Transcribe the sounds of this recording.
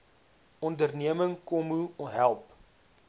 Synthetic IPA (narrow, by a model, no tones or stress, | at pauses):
ɔndərniəməŋkɔmuɦælˠp